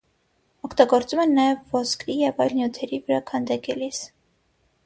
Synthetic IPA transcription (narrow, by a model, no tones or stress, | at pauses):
ɔkʰt̪ɑɡɔɾt͡sumɛnːɑjɛvːɔskʰɾijɛvɑjlnjut̪ʰɛɾivəɾɑkʰɑnd̪ɑkɛlis